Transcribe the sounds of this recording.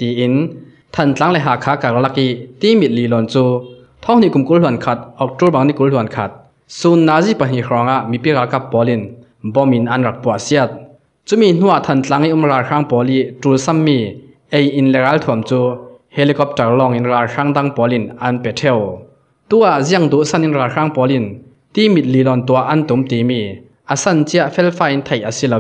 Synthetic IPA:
t̪iː˨ʔi˨˦n | t̪ʰɐ˨nt͡ɬa˨˦ŋlɛ˨ɦaː˨kʰaː˨˦ka˨kla˧ki˦˥t̪i˦mi˨t̪̚liː˨lɔ˨nt͡suː˦ | t̪ʰɔ˦˥ŋn̥i˨ku˨mku˨˦llu˨˩ənkʰɐ˧t̪̚ʔɔ˨k̚tu˦˥ba˨ŋni˧˨ku˨˦llu˨ə˨nkʰɐ˧t̪̚ | su˧˨nːaː˨˦zi˦˨pa˨n̥i˨hɔ˨˦ŋa˧ʔmi˨pi˦˨ɾaː˨˦lka˦˧pːɔ˨˦li˧˨n | bɔ˦mi˨nɐ˧˨nra˨k̚pu˨a˨ʔsi˦˥ə˧t̪̚ | t͡su˦mi˧˨n̥u˥a˨t̪ʰɐ˨nt͡ɬa˨˦ŋi˦ʔu˧˨mraː˨lʂaː˦ŋpɔː˨˦li˦˨ʔtu˨lsɐ˥mːi˧ | ʔe˨jʔi˨nlɛ˨ɣa˨˦lt̪ʰu˨˩əmt͡su˦he˧li˧kɔ˦p̚tɛ˨rlɔ˧ŋi˨˦nraː˨lʂa˦˥ŋd̪a˧˨ŋpɔ˨˦li˧nɐ˦˨npɛ˨tʰɛ˧˨w | t̪u˧˦a˨ʔzi˧˥əŋd̪u˨˦ʔsɐ˥˨ni˦nraː˨lra˦ŋpɔː˨˦li˧n | t̪i˦mi˨t̪̚li˨lɔ˨nt̪u˨a˦ʔɐ˥˨nt̪u˨˦mt̪i˨mi˧ | ʔa˨sɐ˧˨nt͡si˧˦a˧˨ʔfɛ˦˥lfaː˧˨ʔi˧˦nt̪ʰe˨jʔə˨si˧lo˧w

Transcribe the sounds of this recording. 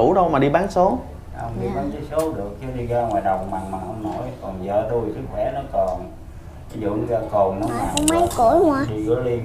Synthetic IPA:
ṵ˧˦ɗə˧wmaː˨˩ɗi˧ɓaː˨˦nso˨˦ | hə˧wŋ͡mɗi˧ka˨˦ka˨˦so˨˦ɗɨ˨˩ək̚xi˧ɗi˧ɣaː˧ŋwaː˨˩jɗə˨˩wk͡p̚maː˨˩ŋmaː˨˩hə˧wŋ͡mnɔ˨˦jkɔ˨˩nzəː˧˨˩ɗu˧jsɨ˦˥k̚xwɛ˧˩nɔ˨˦kɔ˨˩n˨˦ | zṵ˧˨əŋzaː˧ko˨˩nnɔ˨˦˨aː˨˩˧ma˨˦jko˧˦ŋwaː˧ɗi˧ɣɔ˨˦li˧

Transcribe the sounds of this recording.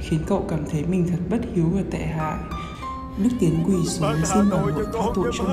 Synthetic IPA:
xi˨˦ənkə̰˧˨wkaː˧˩mt̪ʰə˨˦jmï˨˩ŋ̟t̪ʰə˨˩t̚ɓə˦˥t̚hi˨˦wvaː˨˩t̪ɛ̰˧˨ɦa̰ː˧˨j | ɗɨ˦˥k̚t̪i˨˦ənkwi˧˩so˨˦si˧nɓaː˨˩lɨ̰˨˩˨t̪ʰaː˧t̪ṵ˧˨t͡ɕɔ˧

